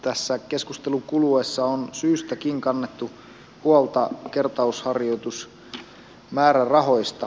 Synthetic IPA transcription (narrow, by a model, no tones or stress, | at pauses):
t̪æsːæke̞skust̪eluŋkuluesːɑonsyːst̪ækiŋkɑnːet̪ːu | huolt̪ɑke̞rt̪ɑushɑrjo̞t̪us | mæːɾærɑɦo̞jst̪ɑ